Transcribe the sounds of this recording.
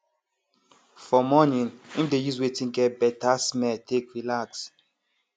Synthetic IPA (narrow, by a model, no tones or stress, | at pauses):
fɔmɔnĩnĩmdejuzwetĩnɡɛt̚bɛtasmɛltʰekɹilaks